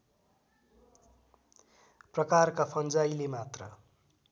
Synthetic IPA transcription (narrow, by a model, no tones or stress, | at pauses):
prʌkarkapʰʌnd͡zajlemat̪rʌ̰